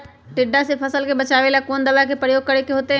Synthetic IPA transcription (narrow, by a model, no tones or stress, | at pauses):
ʈɪɖːasepʰɐsəlkebɐt͡ʃaːʋelakoːnd̪ɐʋakepɾəjoːɡ̚kɐɾekeɦoːt̪eɦ